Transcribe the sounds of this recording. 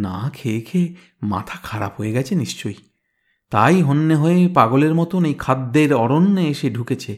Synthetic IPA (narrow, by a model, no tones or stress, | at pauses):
na̰kʰeːkʰe | ma̰t̪ʰakʰaɾa̰pɦojeɡɛt͡ɕʰeniʃt͡ɕoj | t̪ajɦonːeɦoepaɡoleɾmɔt̪onejkʰad̪ːeɾɔɾonːeeʃeɖʱuket͡ɕʰe